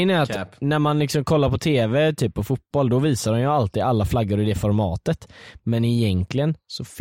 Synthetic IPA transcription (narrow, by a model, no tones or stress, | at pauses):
næɾat̪næɾmanlɪksɔmkʰɔlːaɾpʰɔt̪ʰeːvɛt̪ʰyːpʰːɔfʊt̪̚b̥ɔld̪ɔviːsad̪ɔmjalt̪iːd̪alːaflaɡːʊɾɪd̪ɛfɔɾmɑ̰ːt̪ət̪mɛnɪjɛŋklɪɡənsɔf